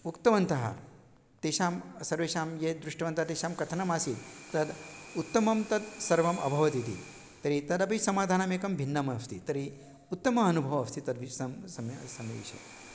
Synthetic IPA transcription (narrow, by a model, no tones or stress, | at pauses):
ukt̪ɐʋɐnt̪ɐɦa̰ | t̪eʃaːmsɐɾʋeʃaːmjed̪ɾuʂʈɐʋɐnt̪at̪eːʃaːmkɐt̪ʰɐnɐmaːsit̪̚t̪ɐd̪ut̪ːɐmɐmt̪ɐd̪sɐɾʋɐmɐ̰bʱɐʋɐt̪it̪ḭ | t̪ɐɾit̪ɐd̪ɐpɐsɐmaːd̪ʱaːnaːmeːkɐmbʱinːɐmɐst̪it̪ɐɾi | ut̪ːɐmɐɐnubʱɐʋɐst̪it̪ɐd̪ʋisɐmsɐmsɐmɐ̰ʋḭʃɐ̰